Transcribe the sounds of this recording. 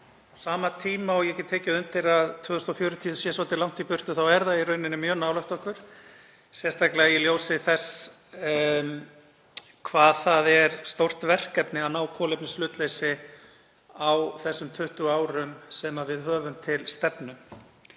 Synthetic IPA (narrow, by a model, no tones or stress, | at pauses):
ɔsaːmat̪ʰiːmaɔɣjɛcɛt̪ʰɛːcʏʏnt̪ɪɾaðt̪ʰvœːðʏst̪ɔfjœːɾʏt̪ʰiːʏsjɛsaːt̪ɪlawŋ̥t̪ipʏr̥t̪ʏθawɛɾðaðiɾœɥnɪnɪmjœːnawlœht̪ɔhkvʏɾ̥ | sjɛ̥st̪ajklɛɣajɛljowsɪθɛs | kʰvaːðθaðɛɾst̪owr̥t̪vɛr̥kɛpnɪawnaːwkʰɔːlejp̚nɪslʏːt̪lejsɪ | awθɛsːʏmt̪ʰʏht̪ʏaːwɾʏmsɛmavɪðɦœːvʏmt̪ʰɪlst̪ɛpnʏ